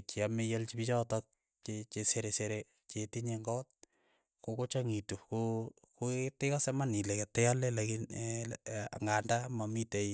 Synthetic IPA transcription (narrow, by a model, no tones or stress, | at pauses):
t͡ʃiamejalt͡ʃipit͡ʃɔtɔk̚ | t͡ʃet͡ʃeseɾeseɾe | t͡ʃetiɲeŋɡɔt̚ | kokot͡ʃaŋitukokotɪkasɛmanileketɛalɛlakin | a̰ŋɡandamamitei